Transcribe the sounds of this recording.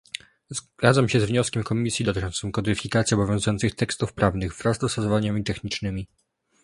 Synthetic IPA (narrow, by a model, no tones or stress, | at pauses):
zɡad̪zamɕɛzvɲɔskʲɛmkɔmʲisjid̪ɔt̪ɘt͡ʂɔnt̪sɨmkɔd̪ɘfʲikat̪sʲjɛɔbɔvʲjɔ̃w̃zujɔnt̪sɘxt̪ɛkst̪ufpɾavnɘɣvɾazd̪ɔst̪ɔsɔvaɲamʲit̪ɛxɲit͡ʂnɘmʲi